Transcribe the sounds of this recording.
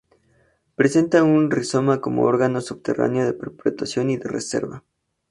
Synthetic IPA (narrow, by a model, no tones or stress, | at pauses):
pɾese̞nt̪aunriso̞mako̞mo̞̰o̞ɾɣano̞suβt̪e̞ra̰neo̞ðe̞peɾpɾet̪asjo̞niðe̞rḛse̞̰ɾβa